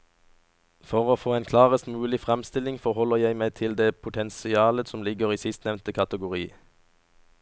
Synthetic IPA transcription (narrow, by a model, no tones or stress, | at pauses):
fɔʁoːfoːeːnkʰlɑːʁəst̪mʉːlɪfʁɛmst̪ɪlɪŋfɔʁhɔləjæɪmæɪt̪ʰɪld̪eːpʰʊt̪ʰɛnsɪɑːləsɔmlɪɡəʁiːsɪst̪nɛʋnt̪əkʰɑt̪əɡʊʁiː